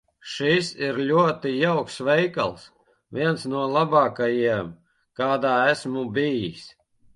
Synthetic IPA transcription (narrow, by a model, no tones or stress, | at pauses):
ʃisiɾlʲuɔt̪ijawksvɛjka̰lˠs | vʲiɛnsnuɔlˠabɑːkajiɛm | kaːd̪aːæsmubijis